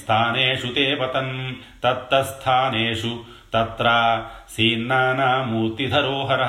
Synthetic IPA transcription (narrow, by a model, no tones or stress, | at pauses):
t̪ʰaːneːʂut̪eːpɐt̪ɐn | t̪ɐt̪ɾɐst̪ʰaːneːʂu | t̪ɐt̪ɾaːsiːnːaːnaːmuːɾt̪id̪ʱɐɾoːɦɐɾɐ